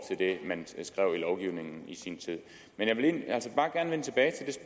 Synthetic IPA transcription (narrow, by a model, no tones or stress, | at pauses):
t͡sʰe̝ld̥e̝mænsɡ̥ʁɛʊ̰ilɒʊɡ̥iʊne̝ŋn̩isint͡sʰið̰ˠ | menjɑ̈ɪʋe̝lenæl̰səb̥ɑ̈ːɡ̥æɐnəʋent͡sʰeb̥ɛːɪt͡sʰe̝ld̥e̝sb